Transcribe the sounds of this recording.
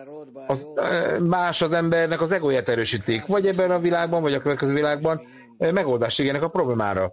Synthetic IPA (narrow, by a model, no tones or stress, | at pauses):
ɒzmaːʃɒzɛmbɛrnɛkɒzɛɡojaːt̪ɛɾøːʃit̪eːkvɒɟɛbːɛnɒvilaːɡ̚bɒɱvɒɟɒkøvɛt̪̚køzyːvilaːɡ̚bɒn | mɛɡo̞ld̪aːʃeːɡeːnɛkɒpro̞bleːma̰ːɾɒ̰